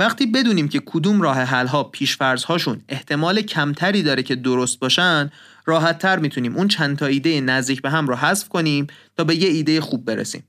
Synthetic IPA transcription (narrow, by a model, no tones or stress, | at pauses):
væχt̪iːbe̞d̪uːniːmcʰe̞kʰod̪uːmɾɒːɦe̞ɦælɦɒːpʰiːʃfæɾz̥hɒːʃune̞ht̪ʰe̞mɒːlecʰæmt̪ʰæɾiːd̪ɒːɾecʰe̞d̪oɾost̪̚bɒːʃænd̪ | ɾɒːɦæt̪ʰːæɾmiːt̪ʰuniːmʔunt͡ʃʰænt̪ʰɒːiːd̪e̞jenæzd̪iːcʰbe̞ɦæmɾɔːɦæsfkʰoniːmt̪ʰɒːbe̞jeiːd̪e̞jexuːbːe̞ɾḛsḭːm